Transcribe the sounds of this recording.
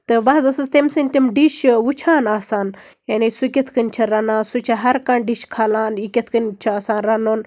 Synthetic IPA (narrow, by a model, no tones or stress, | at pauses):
t̪ɨʋɐɦzɐsɐst̪emsɨnʲt̪imɖiʃwut͡ʃʰaːnaːsaːn | jɐnisukʲɐt̪ʰkɨnʲt͡ʃʰɐɾɐnãːsut͡ʃʰɐɦɐɾkaɳɖiʃkʰalaːnikʲɐt̪ʰkɨnt͡ʃʰɐaːsaːnɾɐnoːn